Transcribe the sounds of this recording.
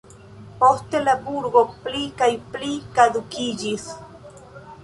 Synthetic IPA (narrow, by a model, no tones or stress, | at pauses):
po̞ste̞labuɾɡo̞plikajplikad̪ukid͡ʒis